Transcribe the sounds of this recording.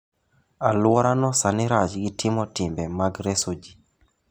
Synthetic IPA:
alwɔɾanɔsanɪɾat͡ʃɡɪtʰɪmɔtɪmbɛmaɡɾesod͡ʒi

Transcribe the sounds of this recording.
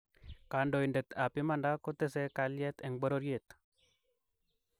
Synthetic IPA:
kandoindɛt̪apɪmandakot̪ɛsɛkaljɛt̪ɛŋbɔɾoɾjet̪

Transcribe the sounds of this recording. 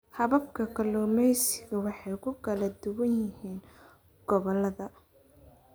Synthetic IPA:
hɐβɐbkʰɐkʰɐlɔːmɛjsɪɣɐwɑħɑjkʰʊkʰɐlɐd̪ʊwɐnjɪɦiːn | ɡ̥ɔβɔlɐðɐ

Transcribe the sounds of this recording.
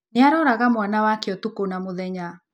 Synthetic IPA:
neaɾɔːɾaɣamwanawakeɔtukonamoðɛɲa

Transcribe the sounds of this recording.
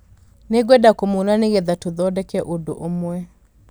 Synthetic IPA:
neɡwɛdakomonaneɣɛðatoðɔdɛkɛʔodo̰ʔomwɛ

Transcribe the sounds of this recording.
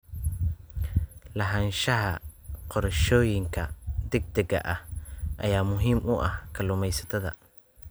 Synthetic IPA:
lɐɦɐːnʃɐɦɐqɔɾʃɔːjɪŋkʰɐd̪ɛɡ̚d̪ɐɡɐ̰ʔɐhʔɐjaːmʊɦiːmʊʔɐhkʰɐlʊmɛjsɐ̥t̪ʰɐðɐ̰

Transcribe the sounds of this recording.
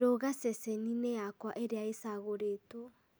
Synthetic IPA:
oɣasɛsɛninejakwaʔeɾeaesaɣoɾeːto

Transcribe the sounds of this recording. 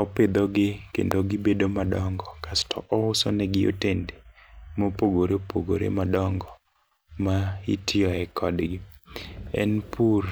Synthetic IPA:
ɔped̪oɡɪkḛndoɡɪbedomadɔŋɡɔkastʰɔ̰ʔɔʊsonɛɡɪo̰tendemopoɡoɾepoɡo̰ɾḛmadɔŋɡɔ | maḭtʰɪɔɛkʰɔdɡɪ | ɛ̰npʰur

